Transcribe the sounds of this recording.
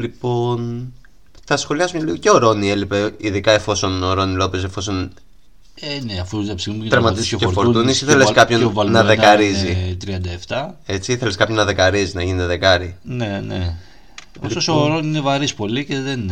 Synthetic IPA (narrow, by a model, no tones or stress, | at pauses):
lipo̞n | θɐsxo̞liɐsumɲɐliɣoceoɾo̞nielipeiðikɐe̞fo̞so̞noɾo̞nilo̞pes̬efo̞so̞n | eneɐfuðɐpsiɣnumt̪ɾɐmɐt̪isekeɾtfoɾɾunisiθeleskɐpçonnɐðekɐɾizit̪ɾiɐnd̪ɐeft̪ɐe̞t͡siiθe̞leskɐpçonːɐðekɐɾiziznɐʝinet̪eðekɐɾinene | oisosoɾoniinevɐɾispo̞liceðen